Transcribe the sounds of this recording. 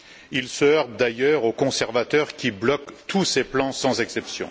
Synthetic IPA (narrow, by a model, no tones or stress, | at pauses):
ilsəœʁb̚d̪ajœʁokɔ̃sɛʁvat̪œʁkʲiblɔkt̪ʰuseplɑ̃sɑ̃zɛksɛpsjɔ̰̃